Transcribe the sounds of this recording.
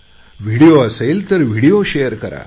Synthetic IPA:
ʋ̤iɽijoəselt̪əɾʋ̤ʱiɽijoɕejəɾkəɾa̰

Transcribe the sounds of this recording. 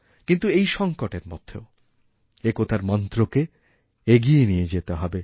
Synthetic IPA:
kint̪uejʃɔŋkoʈeɾmɔ̰d̪ʱʰːeo | ekot̪ʰaɾmɔnt̪ɾoke | eɡijenijed͡ʑet̪eɦɔbe

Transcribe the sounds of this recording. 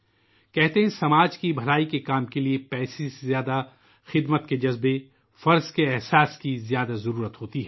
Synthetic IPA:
kɛɦt̪eɦɛ̃sɐmaːd͡ʒkibʱɐlaːikekaːmkeliepɛːseezjaːd̪a | xɪd̪mət̪̚ked͡ʒɐzbe | fɐɾzkeɛɦsaːskizjaːd̪azɐɾuːɾət̪ɦoːt̪iɦɛː

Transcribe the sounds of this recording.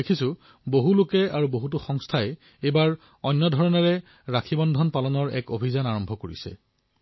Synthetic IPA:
ekʰisʊ̃ | boɦulokɛaɹuboɦutʊxɔŋstʰaɛ | ebaɹ | ɔnːɔdʱɔɹɔnɛɹɛ | ɹakʰibɔndʱɔnpalɔnɔɹɛ̰kobʱizanaɹɔmbʱɔkoɹḭsɛ̰

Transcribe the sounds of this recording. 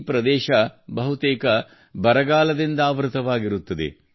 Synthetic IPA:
pɾɐd̪ɛːʃɐbɐɦut̪ɛːkɐ | bɐɾɐɡaːlɐd̪ind̪ɐaːʋɾut̪ɐʋaːɡiɾut̪ːɐd̪e̞̰

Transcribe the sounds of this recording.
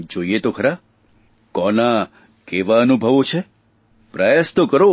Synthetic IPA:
d͡ʒoiet̪okʰəɾa | kɔna | keʋaənubʱəʋot͡ʃʰe | pɾajast̪okəɾo

